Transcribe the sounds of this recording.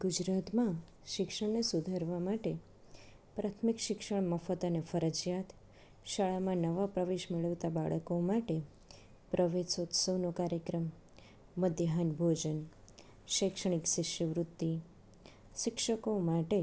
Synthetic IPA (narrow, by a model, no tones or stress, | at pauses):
ɡʊd͡ʒɾat̪mã | ʃɪkʃəɳnesud̪ʱəɾʋamaʈe | pɾat̪ʰmikʃɪkʃəɳməfət̪ənefəɾəd͡ʒjat̪ | ʃəɭamãnəʋapɾəʋeʃmeɭəʋt̪abaɭəkomaʈe | pɾʔəʋesot̪səʋnokaɾjəkɾəmː | əd̪jəɦanbʱod͡ʒən | ʃəkʃəɳ̃iksɪʃiʋɾut̪ːi | ʃɪkʃəkomaʈe